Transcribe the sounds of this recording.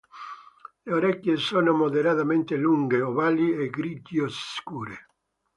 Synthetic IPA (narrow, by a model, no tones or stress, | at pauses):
leoɾɛkːjesoːnomoðeɾat̪ament̪eluŋɡeɔvalːiɛɡɾid͡ʒiosskuːɾe